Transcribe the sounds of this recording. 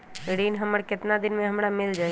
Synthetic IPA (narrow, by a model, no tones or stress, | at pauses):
ɽiːnɦəməɽkɪt̪nad̪ɪnmẽɦəmɽamɪld͡ʒaː